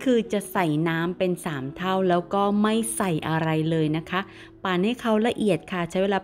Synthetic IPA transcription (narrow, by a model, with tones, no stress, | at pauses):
kʰɯː˧t͡ɕa˨˩ʔsa˨˩jnaː˦˥mpe˧nsaː˩˦mt̪ʰa˥˩wlɛː˦˥wkɔː˥˩ma˥˩jsa˨˩jʔa˧ɾa˧jlɤː˧jna˦˥kʰa˦˥ | paː˨˧˩nha˥˩jkʰa˦˥wla˧ʔi˨˩ət̪̚kʰa˥˩t͡ɕʰa˦˥jweː˧laː˧